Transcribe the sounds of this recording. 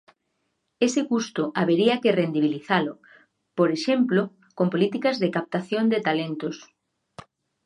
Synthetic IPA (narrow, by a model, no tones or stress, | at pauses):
esekust̪oʔaβeɾiakerend̪iβ̞iliθalʊ | poɾeʃemplo | kompolit̪ikazðekap̚t̪aθjond̪et̪alent̪os